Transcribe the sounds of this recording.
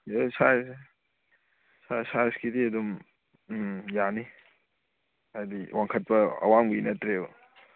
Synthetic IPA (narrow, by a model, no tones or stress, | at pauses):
esaj | sasajskidiɐdum | jani | ajdiwʔaŋkʰɐt̚pɐɐ̰waŋbuinɐtɾe